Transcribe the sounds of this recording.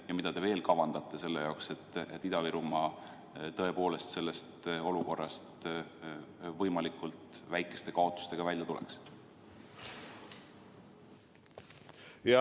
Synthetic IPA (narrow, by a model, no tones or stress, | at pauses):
jɑmid̪̥ɑd̪e̞ve̞ːlkɑvɑnd̪̥ɑt̪ːˑe̞se̞lːe̞jɑokse̞t̪ːˑet̪ːid̪ɑviɾumɑ | t̪ɤ̞e̞po̞ːle̞st̪se̞lːest̪o̞luko̞rːɑst̪ | vɤjmɑlikult̪væjkːˑe̞st̪e̞kɑo̞t̪ːˑu̥st̪e̞ɡ̥ɑvælʲjɑt̪ulḛks | j